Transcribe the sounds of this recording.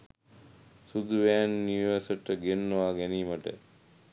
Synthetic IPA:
sud̪uʋæːnːuʋəsəʈəɡenːoʋaːɡæniːmɐʈə̰

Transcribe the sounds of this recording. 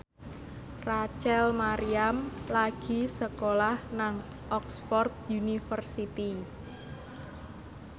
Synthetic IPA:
rat͡ʃɛlmaɾiamlaɡ̥i̤səkolahnaŋ | ʔɔksfɔrt̪̚junifərsit̪i

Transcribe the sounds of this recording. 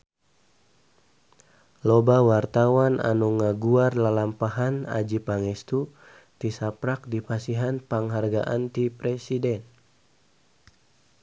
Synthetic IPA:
lɔbawart̪awana̰nuŋaɡuarlalampaɦana̰d͡ʒipaŋɛst̪u | t̪isapɾak̚dipasiɦanpaŋɦarɡa̰ʔant̪ipɾɛsidɛn

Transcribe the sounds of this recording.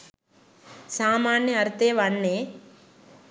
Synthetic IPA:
saːmaːɳjɐɐɾt̪eːʋɐɳːeː

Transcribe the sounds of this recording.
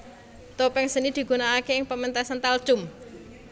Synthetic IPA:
t̪opɛŋsənid̪̥i̤ɡ̥unaːkeɪŋpəmɛnt̪ɛsənt̪al̥ʒ̥ʊm

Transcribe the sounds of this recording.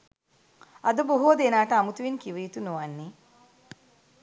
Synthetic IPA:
ɐd̪əboɦoːd̪enaːʈəamut̪uʋinkiʋəjit̪unoʋanːi

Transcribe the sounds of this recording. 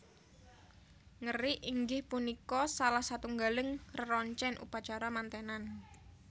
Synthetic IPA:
ŋəriʔiŋɡɪhpunikɔsalahsat̪uŋɡalɪŋrərɔɲt͡ʃɛnʔṵpat͡ʃaɾamant̪enan

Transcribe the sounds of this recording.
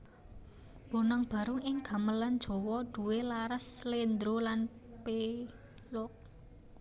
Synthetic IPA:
b̥o̤nəŋb̥ä̤ɾʊŋɪŋɡ̥ä̤məland̥ʒ̥ɔ̤wɔd̪̥ṳwelaɾəslend̪ɾolanpe | lʊk̚

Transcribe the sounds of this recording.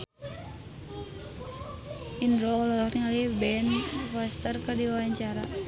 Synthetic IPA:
ʔindɾɔlɔlɔkniŋalibɛnfast̪ərkərdiwawaɲt͡ʃaɾa

